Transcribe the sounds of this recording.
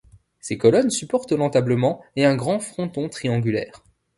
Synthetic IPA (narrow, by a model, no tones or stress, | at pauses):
sekɔlɔnsypɔʁt̪lɑ̃t̪abləmɑ̃eɛ̃ɡʁɑ̃fχɔ̃t̪ɔ̃t̪χiɑ̃ɡʲylɛ̰ːʁ